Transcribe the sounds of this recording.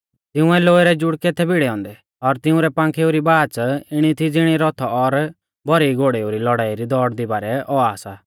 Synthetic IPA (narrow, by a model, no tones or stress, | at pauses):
t̪ɪũɛloːeɾɛd͡ʒʊɽket̪ʰɛbɪɽɛɔ̃ːnd̪ɛ | ɔɾt̪ɪʊ̃ɾɛpãːŋkʰeuɾibaːt͡sɪɽ̃it̪ʰid͡zɪɽ̃iɾɔt̪ʰɔɔɾ | bɔɾiiɡoɽeuɾilɔɽaːiɾid̪ɔːɽd̪ibaːɾɛʔɔaːsaː